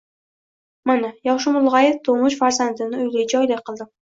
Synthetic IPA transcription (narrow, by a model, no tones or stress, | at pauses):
manajɒʃ̬ʊmʊlˠʁajɪft̪ʰomʊʃfaɾzand̪ɪnɪʊjlad͡ʒɒjlɪqʰɨlˠd̪ɪm